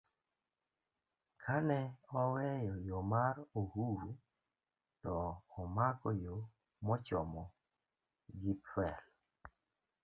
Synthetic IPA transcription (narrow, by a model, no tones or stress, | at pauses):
kʰanɛɔwɛjɔjomaɾohuɾu | tɔːmakɔjo | mɔt͡ʃɔmɔ | ɡipɛl